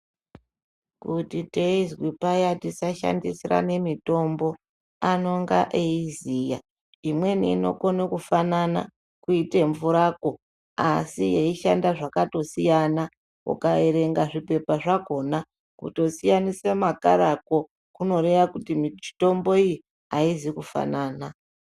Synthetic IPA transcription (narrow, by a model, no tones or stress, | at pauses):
kutite̞izwipajatisaʃa̰ndisira̰ne̞mito̞mbo̞ | ano̞ŋɡa̰ʔeizija̰ | imwe̞niːno̞̰konekufanana̰ | kuite̞ɱvuɾako | a̰sijeiʃa̰ndaʐakato̞sijana | ṵkaeɾe̞ŋɡaʐipe̞paʐako̞na | kṵto̞sijanisemaka̰ɾako̞ | kuno̞ɾe̞ʋakutimii̥to̞mbo̞iji | aizikufa̰naːna